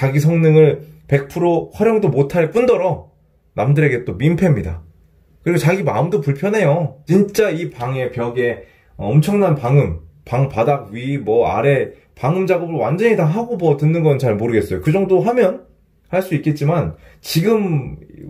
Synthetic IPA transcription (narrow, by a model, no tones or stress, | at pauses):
t͡ɕaɡis̬ʰʌŋnɯŋɯɭpe̞k̚pʰɯɾoɸwaɾjʌŋdomotʰaɭk͈undʌɾʌ | namdɯɾe̞ɡe̞t͈omimpʰe̞mɲida̰ | kɯɾiɡot͡ɕaɡima̰ɯmdopuɭpʰjʌnɦe̞jot͡ɕint͡ɕ͈aipaŋe̞pjʌɡe̞ | ʌʌmt͡ɕʰʌŋnanpaŋɯm | paŋpadaɡ̚ɥimwʌa̰ɾe̞ | paŋɯmd͡ʑaɡʌbɯɭwand͡ʑʌɲitaŋɦaɡomʌtɯnːɯnɡʌnɯt͡ɕaɭmoɾɯɡe̞ts͈ʌjokɯd͡ʑʌŋdoɦamjʌn | haɭs͈uik͈e̞t̚t͡ɕ͈imant͡ɕiɡɯm